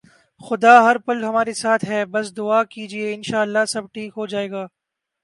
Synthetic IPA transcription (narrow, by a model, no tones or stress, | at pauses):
xʊd̪aːɦɐɾpɐlɦɐmaːɾesaːt̪ʰɦɛːbɐs̬d̪ʊaːkiːd͡ʒieɪnʃaːɐlːasɐb̚ʈʰiːkɦod͡ʒaːeːɡaː